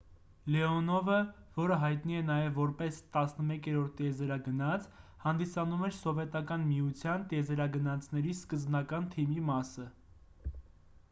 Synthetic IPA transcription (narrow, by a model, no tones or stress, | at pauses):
lɛɔnɔvəvɔɾəɦɑjt̪niɛnɑjɛvːɔɾpɛst̪ɑsnəmɛkʰɛɾɔɾt̪ʰɛzɛɾɑɡənɑt͡sʰhɑnd̪isɑnumɛɾsɔvɛt̪ɑkɑnmijut͡sʰjɑnt̪ɛzɛɾɑɡənɑt͡sʰnɛɾiskəzbnɑkɑnt̪ʰimimɑsə